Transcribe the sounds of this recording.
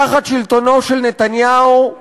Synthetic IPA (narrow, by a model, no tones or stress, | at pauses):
aχat̪ʃilt̪o̞no̞ʃelnet̪anjau